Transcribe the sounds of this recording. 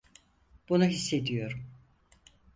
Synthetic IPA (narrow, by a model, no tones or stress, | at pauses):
b̥unuɦisːe̞d̪ijo̞ɾum